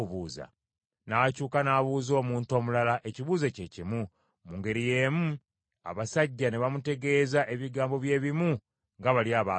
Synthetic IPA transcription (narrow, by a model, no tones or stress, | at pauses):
βuːza̰ | nacuːkanaːβuːzo̞ːmuːnto̞ːmulalaʔe̞ciβuːzececimu | muŋɡe̞ɾije̞ːmu | a̰βasaɟːaneβamute̞ɡe̞ːzaʔeβiɡaːmbo̞βje̞ːβimu | ŋɡaβaliaːβa